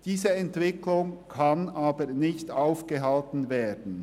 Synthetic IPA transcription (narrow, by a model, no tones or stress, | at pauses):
d̥iːzəɛntv̥ɪkʰlʊŋkʰɑnʔaːbənɪçtaʊfɡ̥əɦɑltn̩veːdn̩